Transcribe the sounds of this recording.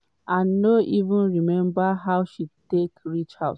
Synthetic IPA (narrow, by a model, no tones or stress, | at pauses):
ãnːoʔivũnɹimɛ̃mbaɦaʊʃitekɹit͡ʃha̰d